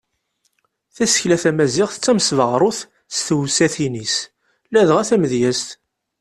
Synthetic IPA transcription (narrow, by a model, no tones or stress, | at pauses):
θæsə̥çlæθæmæziʁθt͡sːæmsvəʁɾˤʊθ | st̪wsæθinis | læðʁæθæməðjæst̪